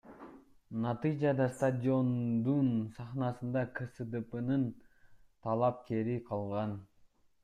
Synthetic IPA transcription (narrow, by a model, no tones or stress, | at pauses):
nɑt̪ɨjd͡ʒɑd̪ɑst̪ad̪ʲio̞nd̪unsɑχnɑsɯnd̪ɑkʰəsɨd̪ɨpɨnɯnt̪ʰɑlˠɑp̚kʲe̞ɾiqʰɑlˠʁɑn